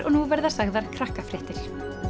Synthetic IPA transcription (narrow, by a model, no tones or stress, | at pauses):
ʔɔ̰nuvɛɾðḁsaɣðaɾ̥kʰɾahkafɾɪht̪ɪɾ̥